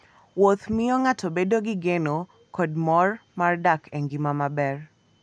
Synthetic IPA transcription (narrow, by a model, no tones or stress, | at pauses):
wot̪mɪɔŋatʰobedoɡɪɡeno | kɔd̚mɔrmardakʰɛŋɡimamabɛr